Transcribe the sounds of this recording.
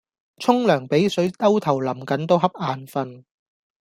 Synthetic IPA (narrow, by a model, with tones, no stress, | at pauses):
t͡sʰʊ˥ŋlœː˨˩ŋpe˨˥jsɵ˨˥ɥt̪ɐ˥wt̪ʰɐ˨˩wlɐ˨˩mkɐ˨˥nt̪o˥wɦɐ˥p̚ʔaː˧nfɐ˧n